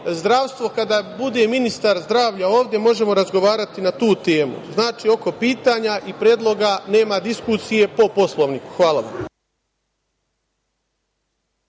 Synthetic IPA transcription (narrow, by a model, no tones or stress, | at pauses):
zd̪ɾaːʋst̪ʋo̞kad̪abud̪e̞minist̪aɾzd̪ɾaːʋʎao̞ːʋd̪ʲje̞mo̞ʒe̞mo̞ɾazɡo̞ʋaːɾat̪inat̪uːt̪e̞ːmṵznaːt͡ʃiːo̞ko̞piːt̪aːɲaʔipɾjeːd̪lˠo̞ɡane̞ːmad̪iskusije̞po̞po̞slˠoʋniku̥xʋaːlˠa̰ʋa̰m